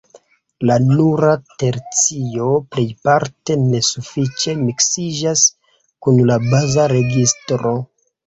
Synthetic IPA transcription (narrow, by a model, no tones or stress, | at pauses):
lanuɾate̞ɾt͡sio̞ple̞jpaɾte̞ne̞sufit͡ʃe̞miksid͡ʒas | kunlabazaɾe̞ɡistɾo̞